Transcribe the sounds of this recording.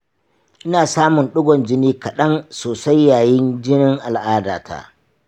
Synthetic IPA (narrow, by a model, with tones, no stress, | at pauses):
ʔɪ˦naː˨saː˦mʊ˨nɗʊ˦ɡʷɔ˨nd͡ʒɪ˦niː˦kɐ˨ɗɐ˦nsoː˨sa˦jːaː˨jɪ˦nd͡ʒɪ˦nɪ˦ŋʔa˨lʔaː˦da̰ː˨tʰa̰ː˦